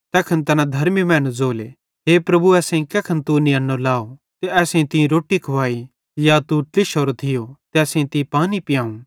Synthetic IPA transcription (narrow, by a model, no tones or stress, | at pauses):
t̪ɛːkʰɐnt̪ɐnãd̪ʱɐɾmimɛ̃ːñud͡zoːlḛ | ɦeːpɾɐbuɛːsẽĩkɛːkʰɐnt̪uniɐnːolaːo | t̪eɛːsẽĩt̪ɪõɾoːʈikʰɐʋaːi | jat̪uʈlɪʃoːɾot̪ʰɪjot̪eɛːsẽĩt̪ĩpaːnipɪjãːũ